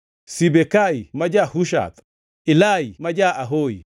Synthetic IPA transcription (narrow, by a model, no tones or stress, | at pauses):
sibɛkaimad͡ʒahuʃ̬a̰t̪ | ilaimad͡ʒaʔaɦoḭ